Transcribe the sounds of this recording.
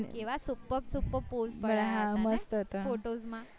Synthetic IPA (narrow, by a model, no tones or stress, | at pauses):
kĩw̃ʋasupəpsupːəposbəəɾaɦãməst̪ət̪əfoʈod͡zma